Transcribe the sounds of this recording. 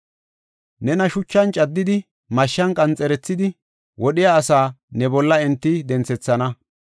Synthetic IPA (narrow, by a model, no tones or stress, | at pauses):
nɛnɐʃʊt͡ʃːɐnt͡ʃʼɐd̪ːɪd̪ɪ | mɐʃːɐnkʼɐnt͡sʼɛɾɛt͡sːɪd̪ɪ | wʔɔɗɪjaːsaːnɛbɔlːɐɪnt̪ːɪd̪ɛnt͡sɛt͡sːɐnɐ